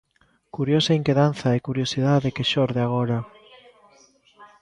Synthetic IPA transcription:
kuɾjosɐiŋkeðan̟θɐekuɾjosiðaðekeʃɔɾðeaɣ̞oɾa

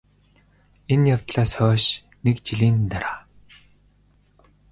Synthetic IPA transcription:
enjawt̪ɮaːsχœːʃ | nekt͡ɕiɮiːnt̪aɾaː

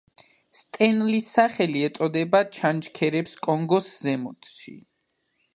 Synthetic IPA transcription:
st̪ʼɛnlisːaχɛliɛt̪sʼɔd̪ɛbat͡ʃʰant͡ʃkʰɛɾɛpskʼɔŋɡɔszɛmɔt̪ʃḭ

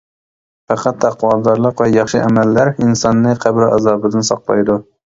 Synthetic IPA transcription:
fæqʰɑt̪ːæqʰwɑlˠd̪ɑɾlˠəqvɛjɑχʃɨʔæmɛlːæɾinsɑnːɨqʰæbɾɑ̰zɑːbɪd̪ɪnsɑqlˠɑ̰jd̪u

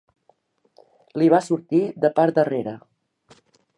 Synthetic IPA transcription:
liβasuɾt̪iðəpaɾd̪əreɾə

